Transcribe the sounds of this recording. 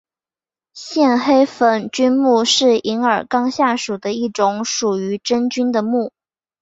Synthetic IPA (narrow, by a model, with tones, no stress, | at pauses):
ɕjɛ˥˩˧nxe˥ɪfə˨˩nt͡ɕy˥nmu˥˧ʂɻ̩˥˩i˧˥ŋə˞˨˩kɑ˥ŋɕja˥˩ʂu˨˩d̪ə˦i˥˩ʈ͡ʂʊ˧˥ŋʂu˨˩y˧˥ʈ͡ʂə˥nt͡ɕy˥nd̪ə˨mu˥˩